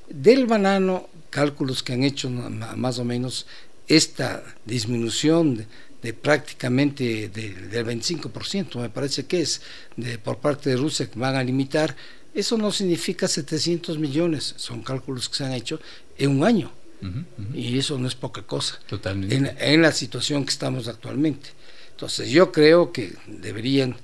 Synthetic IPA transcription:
d̪elβanãno | kalkuloskeaŋet͡ʃoamas̬omẽ̞nos | est̪a̰ | d̪izmĩnusjon | d̪epɾak̚t̪i̥kamẽnt̪eðeðelβejnt̪i̥siŋkopo̞ɾsje̞nt̪ome̞paɾesekes | d̪epoɾpaɾt̪eðerusjakeβaŋalimit̪aɾ | esono̞siɣnifikaset̪esje̞nt̪ozmiʎo̞nesːo̞ŋkalkuloske̥seaŋe̞t͡ʃo | eŋuŋaɲo | iesonoe̞spo̞kako̞sḁt̪ot̪aeenlasit̪wasjo̞ŋke̥st̪amosak̚t̪wa̰lmẽ̞nt̪e̥ | nt̪o̞̰nsezʝokɾeokḛ | d̪eβeɾiaŋ

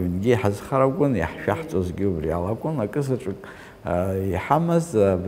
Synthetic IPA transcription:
inɡʲiaħazχaɾakʷʼʊnjia̰ħʃᶣaħt͡sʷʼozɡʲiubria̰lakʷʼʊnakʼɨzaʈ͡ʂʷʼɨkʼ | iħamazb

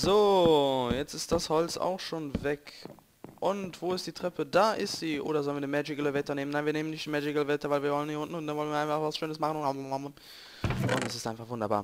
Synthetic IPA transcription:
zoːjɛt͡sɪst̚d̥ashɔlt͡sa̰ʊxʃoːnvɛk | ʔʊntv̥oːɪstd̥iːtʁ̥ɛpədaːʔɪstz̥iːʔo̰ːɾɐzɔlənviːɐdimɛd͡ʒɪɡələvɛtɐneːmənaɪnviːɐneːmənɪçtd̥imɛd͡ʒɪɡələvɛtɐvaɪlviːɐvɔləniːʊntn̩ʊntd̥anvɔlənviɐaɪnfaχvasʃøːnəsmaχən̩ʊnhaam | ʔʊ̰ntɛsɪstʔaɪnfaχvʊndɐba̰ːɐ

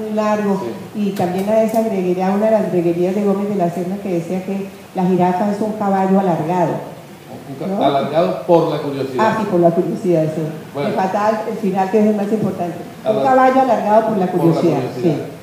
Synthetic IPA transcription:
ulaɾɣo̞it̪ambje̞nlaðesaɣɾeɣeɾiaunaðelazɣɾeɣe̞ɾiazðe̞ɣomezðe̞laseɾnake̞ðesiake̞ | laɦiɾafaesuŋkaβaʝo̞alaɾɣaðo̰ | nolaɣaðopoɾlakuɾjosiasipoɾlakuɾjosiðaðsiefat̪alelfinalkes̬elmasimpoɾt̪ant̪e | uŋkaβaʝo̞alaɾɣaðopoɾlakuɾjosiðaossi

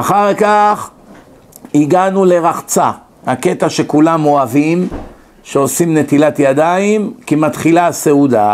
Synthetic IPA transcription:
aχaʁkaχ | iɡanule̞ʁaχt͡sa | hake̞t̪aʃe̞kulamo̞avim | ʃeo̞simne̞t̪ilat̪jad̪aimkimat̪χilase̞ud̪a

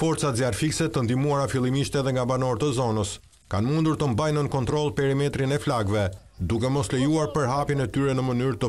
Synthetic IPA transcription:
fɔɾt̪t͡sat̪zjaɾfiksɛt̪ənd̪imuaɾafilˠimiʃt̪ɛðɛŋɡabanɔɾt̪əzɔnəs | kanmund̪uɾt̪əmbajnənkɔnt̪ɾɔlˠpɛɾimɛt̪ɾinɛflaɡvɛ | d̪ukɛmɔslɛjuaɾpəɾɦapjinɛt̪yɾɛnəmənyɾt̪ə

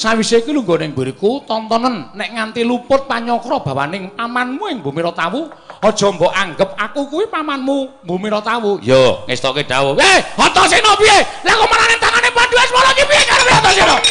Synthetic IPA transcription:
sawisekiluŋɡonɪŋbiɾikut̪ɔnt̪ɔnənːɛʔŋant̪ilupʊt̪̚paɲɔkɾɔb̥a̤wa̰nɪŋpamanmuɪŋbumiɾɔt̪awu | ɔd̥ʒ̥ɔ̤mbɔʔaŋɡəp̚akukuwipamanmumbumiɾɔt̪awujoŋest̪ɔkeɖ̥awɔehɔt̪ɔŋsinɔpielakɔmananɪŋt̪aŋanɪpaɖuansmɔlɔkipiekaɾepeɦɔnt̪ɔsinɔ

